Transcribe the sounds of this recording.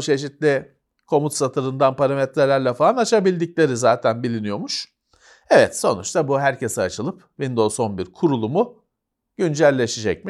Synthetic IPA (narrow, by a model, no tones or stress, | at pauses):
t͡ʃʰe̞ʃ̬it̪lʲɪ | kʰo̞mut̪sat̪ʰɯɾɯnd̪anpaɾamɛt̪ɾelʲæɾlʲɛfalˠanat͡ʃʰabilʲd̪iclʲe̞ɾizaːt̪ʰænbilʲinijo̞muʃ | ɛvɛt̪so̞̰nut͡ʃt̪ʰabuɦæɾcʰe̞sɛat͡ʃʰɯlˠɯp | vind̪o̞so̞nbiɾkʰuɾulˠumʊ | ɟ̥ynd͡ʒælʲːe̞ʃid͡ʒɛc̚mi